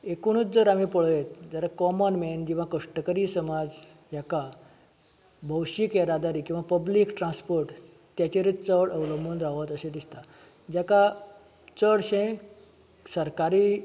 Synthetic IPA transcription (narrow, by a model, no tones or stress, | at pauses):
ekuɽ̃ut͡sd͡zəɾam̤ipəɭjet̪̚d͡zaɾakɔmənmend͡ʑiʋ̤akəʂʈəkəɾiːsəmad͡z | jaka | bʱəwɕikeɾad̪aɾiːkĩw̃ʋapəbliːkʈɾãnspoɾʈ | t̪jat͡ɕeɾit͡səɽəʋləmənɾaʋət̪əɕed̪ist̪a | d͡ʑaka | t͡səɽɕẽ | səɾkaɾiː